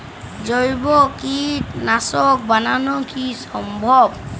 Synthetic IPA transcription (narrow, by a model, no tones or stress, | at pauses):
zɔjbɔkitnasɔk̚bananɔkisɔmbʱɔb